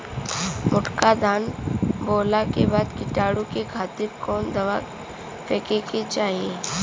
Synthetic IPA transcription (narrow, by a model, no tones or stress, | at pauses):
mʊʈkad̪ʱaːnboːlakebaːd̪kɪʈaːɽukekʰaːt̪ɪɾkɔːnd̪ɐʋa | peːkeket͡ʃaːɦieː